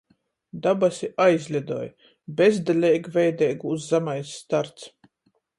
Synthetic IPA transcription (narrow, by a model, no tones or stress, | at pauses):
d̪abasʲiʔajzʲlʲid̪ɔ̰ːj | bʲezd̪alʲɛjɡvʲɛjd̪ɛjɡuzːamajsːt̪aɾt̪s